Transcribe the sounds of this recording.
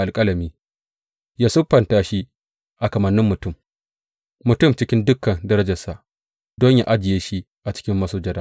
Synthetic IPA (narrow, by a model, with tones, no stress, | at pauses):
ʔa˨lkʼɐ˦lɐ˨miː˦ | jaː˦sʊ˦ɸːɐ˨ntaː˦ʃi˦ | ʔa˨kɐ˨mɐ˨nːɪ˦mːʊ˨tʊ˦˨m | mʊ˨tʊ˦˨mt͡ʃɪ˦kʲɪ˦ndʊ˦kːɐ˨ndɐ˦ɾɐ˦d͡ʒɐ˨sa˨ʔ | dɔ˦ɲja˦ʔa˦d͡ʒɪ˨jeː˦ʃi˦ | ʔa˨t͡ʃɪ̥˦kʲɪ˦mːɐ˦soː˦d͡ʒɐ˦daː˦